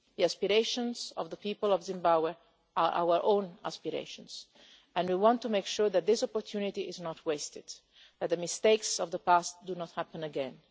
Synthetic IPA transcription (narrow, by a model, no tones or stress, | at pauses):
ðiaspiɾeɪʃɔ̃nzɔ̰vðəpiːpəlɔvzɪ̃mbabwɛ | aɹʔa̰wəɹʔõːna̰spiɾḛɪʃɔ̃ns | ɛ̃nwiwɔ̃ntːumejkʃuɹðæt̪̚d̪ɪsɔpɔɹt̪ʰjunit̪iɪznɔtʰweɪst̪ɪd̪ | ðɛt̪̚d̪əmɪst̪eɪksɔvðəpast̪̚d̪unɔt̪hæpə̃nəɡɛ̃n